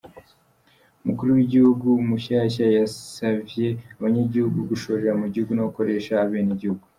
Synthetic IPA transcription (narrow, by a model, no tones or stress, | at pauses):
umukuɾuwiɟihuɡuːmuʃaːʃajasavje̞aβaɲaɟihuɡuɡuʃo̞ːɾeɾamuɟihuɡunaβako̞ɾe̞ʃaaβeːniɟihuɡu